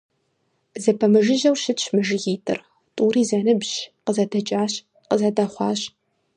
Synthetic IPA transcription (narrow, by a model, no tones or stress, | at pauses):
zɐpʰɐmɨʒɪʒɐwʃɪtt͡ʃmɨʒɣiːtʰʼɨ̰r | tʼuːriːzɐnɨbʑqəzɐdɐt͡ʃʼaːɕ | qəzɐdaχʷɑːɕ